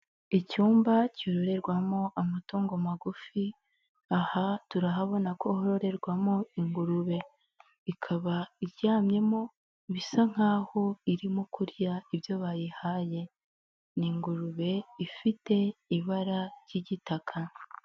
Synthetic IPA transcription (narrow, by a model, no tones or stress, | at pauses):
icuːmbacoɾo̞ɾe̞ɾɡwamo̞ʔamatoːŋɡomaɡufi | ahatuɾaɦaβo̞nakʰo̞hoɾo̞ɾe̞ɾɡwamoiŋɡuɾuβe̞ | ikʰaβaiɾjaːmɲe̞mo̞ | βisaŋ̥aːho̞iɾimokuɾjaiβjo̞βajihaje̞ | niŋɡuɾuβe̞ifite̞iβaɾaɾɟiɟitakʰa